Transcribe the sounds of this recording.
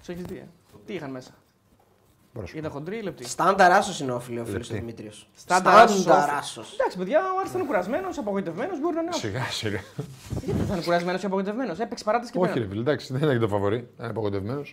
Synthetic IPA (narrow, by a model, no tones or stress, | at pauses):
soçizðiɐ̰ | t̪iixɐnmesɐ̥ | bɾosit̪ɐnxond̪ɾiilep̚t̪ist̪ɐnd̪ɐɾɐsosineofiliolilosst̪oimit̪ɾiosst̪ɐnd̪ɐɾsɐɾɐsosd̪ɐksi̥peðʝɐoɐɾisɐnkuɾɐzme̞no̞sɐpoɣo̞it̪e̞vme̞no̞zbo̞ɾinɐneɐsiɣɐsiɣɐiʝɐt̪est̪ɐnekuɾɐzmenosiɐpoɣojt̪evme̞no̞se̞pekse̥pɐɾɐt̪d̪ɐsceoçiefilid̪ɐksi̥ðeninet̪ofɐvo̞ɾinɐpoɣojt̪evmenos